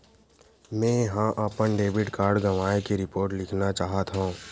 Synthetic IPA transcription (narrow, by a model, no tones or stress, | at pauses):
mɛ̃ːɦãʔəpənɖeːʋɪɖkaːɾɖɡɐʋaːekeɾɪpoːɾʈlɪkʰnat͡ʃaːɦət̪ɦõː